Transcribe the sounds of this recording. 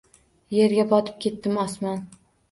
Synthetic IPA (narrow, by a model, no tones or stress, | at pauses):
je̞ɾɡʲabʰɒt̪ʰɪ̥p̚kʲe̞t̪ːɪmɒsman